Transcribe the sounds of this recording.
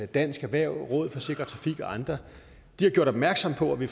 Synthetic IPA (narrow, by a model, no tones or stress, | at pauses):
d̥æn̰sɡ̥æʋæɐ̰ʁɔ̽ːð̞̩ˠfɒ̽se̝ɡ̥ʁɐt͡sʰʁɑ̈fiɡ̥ɒ̽ɑ̈nd̥ʁɐ | d̥ihɑ̈ɡ̥joɐ̰ɾ̥ɒ̽b̥̚mæɐɡ̥sɒ̽m̰pʰɒ̽æʋi